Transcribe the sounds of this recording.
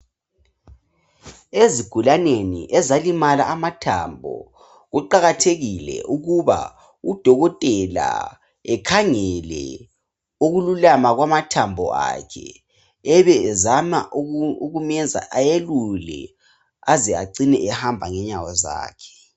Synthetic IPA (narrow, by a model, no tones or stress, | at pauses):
eziɡ̥ʱulanenḭʔɛzalimalaʔamatʰa̰mbʱɔ̰ | ɣuǃaɣatʰeɣilɛ̰ʔuɣuβa̰ | ud̥ʱɔɣɔtʼɛla̰ | ɛkʰaŋɛlɛ̰ | uɣululamaɣwamatʰambʱɔ̰a̰kʰɛ | ɛβɛzama̰ʔuɣumɛzʱa̰ʔajelulɛ̰ | azɛa̰ǀinɛʔɛhambʱaŋɛɲawɔza̰ːkʰɛ̥